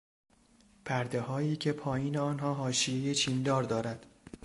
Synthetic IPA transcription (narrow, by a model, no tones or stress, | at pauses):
pʰæɾd̪e̞hɒːiːcʰe̞pʰɒːjiːneɒːnɦɒːɦɒːʃije̞je̞t͡ʃʰiːnd̪ɒːɾd̪ɒːɾæd̪̥